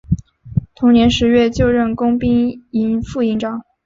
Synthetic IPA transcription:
t̪ʰʊ˧˥ŋnjɛ˧˥nʂɻ̩˧˥ɥɛ˥˧t͡ɕjo˥˧ʊɻə˥˩nkʊ˥ŋpi˥ŋi˧˥nfu˥˧i˥˩˧ŋʈ͡ʂɑ˨˩˦ŋ

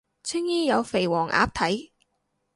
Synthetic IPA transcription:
t͡sʰɪ˥ŋjiː˥jɐ˨˧wfe˨˩jwɔː˨˩ŋʔa̰ː˨˥p̚t̪ʰɐ˨˥j

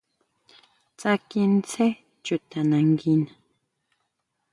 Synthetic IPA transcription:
t͡sa˦ki˦nt͡se˦ | t͡ʃʊ˨t̪a˨na˨ŋɡina

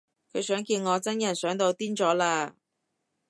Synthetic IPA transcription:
kʰɵ˨˧jsœː˨˥ŋkiː˧nŋɔː˨˧t͡sɐ˥njɐ˨˩nsœː˨˥ŋt̪o˧wt̪iː˥nt͡sɔː˨˥laː˧

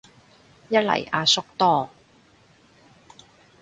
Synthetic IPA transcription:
jɐ˥t̚lɐ̰˨˩jʔaː˧sʊ˥k̚t̪ɔː˥

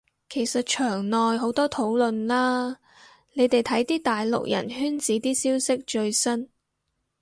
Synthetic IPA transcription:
kʰe˨˩jsɐ˨t̚t͡ʃʰœː˨˩ŋnɔː˨jɦo˨˥wt̪ɔː˥t̪ʰo˨˥wlɵ˨nlaː˥ | ne˨˧jt̪e˨jt̪ʰɐ˨˥jt̪iː˥t̪aː˨jlʊ̰˨k̚jɐ̰˨˩nhyː˥nt͡siː˨˥t̪iː˥siː˥wsɪ˥k̚t͡ʃɵ˧ɥsɐ˥n

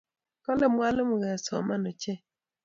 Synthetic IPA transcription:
kɔ˦lɛ˦˨mwa˦lɔ˦mu˨ɣɛ˨sɔ̰˨ma˦nɔ˨t͡ʃɛ˦˨

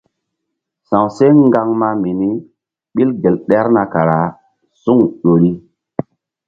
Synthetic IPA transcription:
sã˨wse˦ŋɡa˦ŋma˦mi˨ni˦ | ɓi˦lɡe˨lɗɛ˦ɾna˨ka˨ɾa˨ | su˦ŋɗo˨ɾi˦

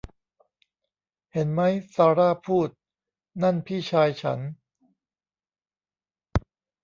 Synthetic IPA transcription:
he˩˦nma˦˥jsaː˧ɾaː˥˩pʰuː˥˩t̪̚ | na˥˩npʰiː˥˩t͡ɕʰaː˧jt͡ɕʰa̰˦˥n

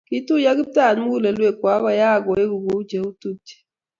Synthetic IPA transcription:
ki˦tu˦ja˦ki˦ta˦˨n˦m˦ɡu˦˨le˨lwe˦˨kwa˨˦ɣɔ˦˨ja˦˨ɡɔ˨e˦ɡu˨ɡo˨u˦d͡ʒe˨u˦tu˦˨ti̥˨

